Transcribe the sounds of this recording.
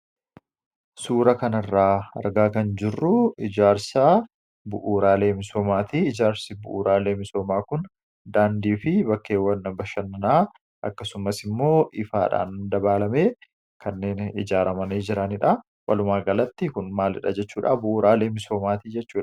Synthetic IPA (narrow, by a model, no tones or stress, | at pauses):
suːɾɐkɐnɐrːaːɐ̰ɾɡaːkɐnd͡ʒɪrːʊɪd͡ʒaːɾsa | bʊʔuːɾaːle̞ːmɪso̞ːmaːt̪iɪd͡ʒaːɾsɪbʊ̰ʔṵːɾaːleːmɪso̞ːmaːkʊn | d̪aːnd̪iːfɪbɐkːeːwːɐnːɐbɐʃɐnːɐnaː | ʔɐkːɐsʊmɐsɪmːo̞ːʔɪfa̰ːᶑa̰ːnd̪ɐbaːlɐmeː | kʰɐnːe̞ːnɪd͡ʒaːɾɐmɐneːd͡ʒɪɾɐnɪᶑɐ | wɐ̰lʊmaːɡɐlɐt̪ːɪkʊnmaːlɪ̰ᶑɐ̰d͡ʒɛt͡ʃːuːᶑabʊʔuːɾaːleːmɪso̞ːmaːt̪iːd͡ʒɛt͡ʃːuːᶑɐ̥